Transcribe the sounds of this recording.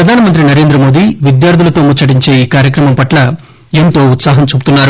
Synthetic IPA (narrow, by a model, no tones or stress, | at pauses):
pɾɐd̪ʱaːnɐmɐnt̪ɾinɐɾe̞ːnd̪ɾɐmo̞ːd̪iːʋid̪jaːɾd̪ʱulɐt̪o̞ːmut͡ʃːɐʈiɲt͡ʃe̞ːiːkaːɾjɐkɾɐmɐmpɐʈlɐ | ent̪o̞ːut̪saːɦɐmt͡ʃubu̥t̪unːaːɾu